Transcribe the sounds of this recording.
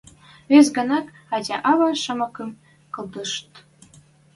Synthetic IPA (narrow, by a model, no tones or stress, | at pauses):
βes̬ɡɤ̆nɑk | ɑtʲɑʔɑβɑʃə̆mɤ̆kɤ̆m | kɤ̆ld̪ɤ̆ʃt̪